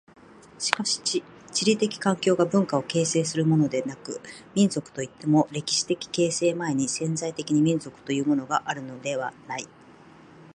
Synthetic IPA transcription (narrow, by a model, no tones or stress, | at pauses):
ɕi̥kaɕi̥ | t͡ɕiɾʲit̪e̞kʲi̥kãŋkʲo̞ːɡabɯ̟̃ŋkao̞ke̞ːse̞ːsɨɾɯmo̞no̞d̪e̞nakɯ̟mʲĩnzo̞kɯ̟̥t̪o̞it̪ːe̞mo̞ɾe̞kʲi̥ɕi̥t̪e̞kʲi̥ke̞ːse̞ːmae̞ɲ̟isẽ̞nzait̪e̞kʲiɲ̟imʲĩnzo̞kɯ̥t̪o̞jɯ̟ːmo̞no̞ɡaʔaɾɯ̟no̞d̪e̞β̞anai